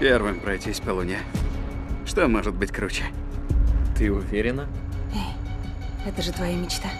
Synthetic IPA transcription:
pʲervɨmpɾɐjtʲisʲpəlˠʊnʲə | ʂt̪omoʐɨd̪̚bɨtʲkɾut͡ɕɪ̥ | t̪ɨʊvʲeɾʲɪnəej | ɛt̪əʐɨt̪vɐjamʲɪt͡ɕt̪a

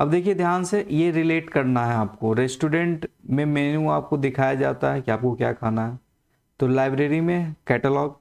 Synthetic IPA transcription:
ɐbd̪eːkʰied̪ʱjaːnsejeɾɪleːʈkɐɾnaɦɛaːpkoɾɛsʈuːɖɛ̃ɳʈmẽmɛːnũaːp̚kod̪ɪkʰaːjad͡ʒaːt̪aɦɛkiaːp̚kokja̰ːkʰaːnaɦɛ | t̪olaːɪbɾeːɾimẽkɛːʈəlɔːɡ

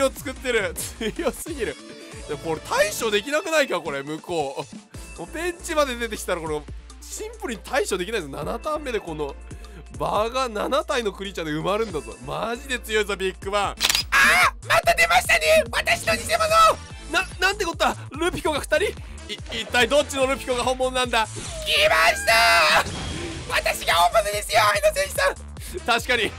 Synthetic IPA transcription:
o̞t͡sɨ̥kɯt̪ːe̞ɾɯ̟t͡sɨ̥jo̞sɨɡʲiɾɯ̟ | d̪ako̞ɾet̪ʰaiɕo̞d̪e̞kʲinakɯ̟naikako̞ɾe̞mɯ̟ko̞ːmopẽ̞ɲt͡ɕimad̪e̞d̪e̞t̪̬e̞kʲi̥t̪aɾako̞ɾe | ɕĩmpɯɾi̟ɲit̪ʰaiɕo̞d̪ekʲinaizsona̰nat̪ãmːe̞d̪e̞ko̞no̞ | baɡananat̪aino̞kɯ̟ɾʲit͡ɕad̪e̞ɯ̟maɾɯ̟̃nd̪azo̰maʑid̪e̞t͡sɨjo̞izabʲikːɯβãamat̪ad̪e̞maɕi̥t̪aneβat̪aɕi̥noɲisemazo | nãnãnt̪ːe̞kot̪oa | ɾɯ̟pʲi̥ko̞ɡaɸɯ̟̥t̪aɾʲi | it̪ːaid̪o̞t͡ɕːino̞ɾɯ̟pʲi̥koɡaɦõ̞mːo̞nonãnd̪askʲimaɕi̥t̪a | βat̪aɕiɡaõmbanad̪e̞sɨjoainosẽɕi̥sã | t̪aɕi̥kaɲ̟i

